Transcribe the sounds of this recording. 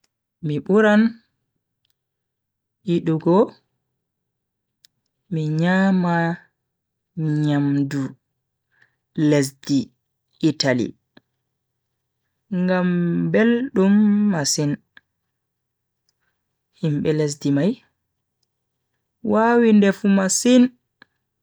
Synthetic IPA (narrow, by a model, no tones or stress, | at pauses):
miɓuɾan | ʔiɗuɡɔ | miɲama | iɲamdu | les̬diː | talḭ | ŋɡambelɗumːasin | himɓɛles̬dimaj | waːwindɛfumasin